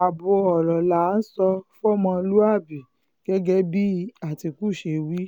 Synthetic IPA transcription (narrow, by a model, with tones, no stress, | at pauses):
a˨bo˧ɔ˨lɔ˨la˨˦n̩˦sɔ˧fɔ˦mɔ̃˧lu˦a˦˨bi˨ | ɡ̥ɛ˦ɡɛ˦bi˦a˦˨ti˧ku˦˨ʃe˧wi˦